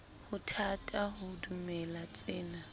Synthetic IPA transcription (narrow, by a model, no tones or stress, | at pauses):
hʊtʰatʼaɦʊdumɛlat͡sʼɪːna